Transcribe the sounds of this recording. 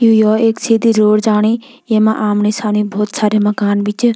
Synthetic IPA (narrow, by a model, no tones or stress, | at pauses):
jujoeksid̪iɾoɽd͡zaɽ̃i | jemaʔamnesanibʱoːt̪saːɾemɐkaːnbit͡ʃ